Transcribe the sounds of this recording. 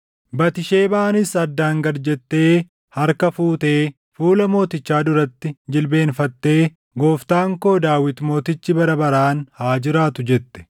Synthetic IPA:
bɐt̪ɪʃe̞ːbɐʔɐnɪsɐd̪ːaːŋɡɐɾd͡ʒɛt̪ːe̞ː | hɐɾkɐfuːt̪e̞ː | fuːlɐmo̞ːt̪ɪt͡ʃːaːd̪ʊɾɐt̪ːɪd͡ʒɪlbe̞ːnfɐt̪ːe̞ː | ɡo̞ːft̪aːŋko̞ːd̪aːwɪt̪mo̞ːt̪ɪt͡ʃːɪbɐɾɐbɐɾaːnhaːd͡ʒɪɾaːt̪ʊd͡ʒɛt̪ːɛ̥

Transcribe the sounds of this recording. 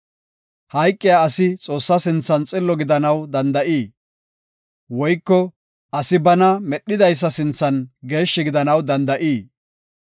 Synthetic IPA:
hɐjkʼːɪjaːsɪt͡sʼo̞ːsːɐsɪnt͡sːɐnt͡sʼɪlːɔɡɪd̪ɐnɐwd̪ɐnd̪ɐʔiː | wɔjkːɔ | ʔɐsɪbɐnɐmɛɗːɪd̪ɐjs̬ːɐsɪnt͡sːɐnɡe̞ːʃːɪɡɪd̪ɐnɐwd̪ɐnd̪ɐʔiː

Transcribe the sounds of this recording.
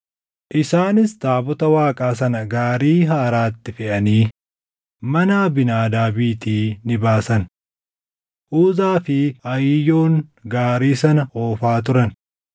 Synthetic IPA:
ʔɪsaːnɪst̪aːbɔt̪ɐwaːkʼaːs̬ɐnɐɡaːɾiːɦaːɾaːt̪ːɪfɛʔɐniː | mɐnaːbɪnaːd̪aːbiːt̪iːnɪbaːsɐn | ʔuːzaːfɪɐjɪjo̞ːŋɡaːɾiːsɐnɐoːfaːt̪̬ʊɾɐn

